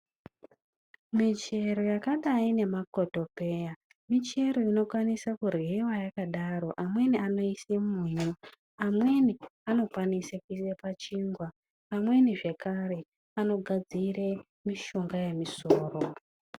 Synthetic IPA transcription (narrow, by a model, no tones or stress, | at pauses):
mit͡ʃe̞ɾo̞jakaɗaine̞makoto̞pe̞ːja | mit͡ʃe̞ɾo̞ino̞kwanisakurwiwajakaɗaɾo̞ʔamwe̞niano̞isemuɲu | amwe̞niano̞kwanisekuisepat͡ʃiːŋɡwaː | mwe̞niʐe̞kaɾe̞ | ano̞ɡʱad͡zire | miʃo̞ŋɡaje̞misoːro